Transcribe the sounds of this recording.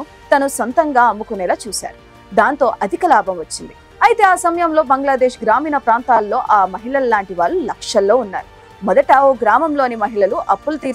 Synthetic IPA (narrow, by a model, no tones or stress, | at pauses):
u | t̪ɐnusɐnt̪ɐŋɡaːɐmːukunɛːlaːt͡ʃuːsa̰ːɾu | d̪aːnt̪o̞ːʔɐd̪ʱikɐlaːbʱɐmʋɐt͡ʃːind̪i | ɐjit̪e̞ːaːsɐmɐjɐmlo̞ːbɐŋɡlaːd̪e̞ːʂɡɾaːmiːnɐpɾaːnt̪aːlːo̞ːʔaːmɐɦiɭɐlːaːɳʈiʋaːlːulɐkʂɐlːo̞ːunːa̰ːɾu | mɔd̪ɐʈɐoːɡɾaːmɐmlo̞ːnimɐɦiɭɐluʔɐpːulɐt̪iːɾ